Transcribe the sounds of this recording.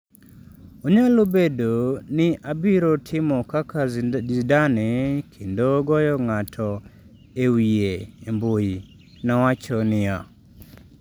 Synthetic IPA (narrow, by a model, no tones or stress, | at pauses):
oɲalobedonɪʔabɪɾotʰɪmɔkakaizdanekʰendoɡɔjɔŋatʰɔ | ewieemboji | nawat͡ʃɔnɪja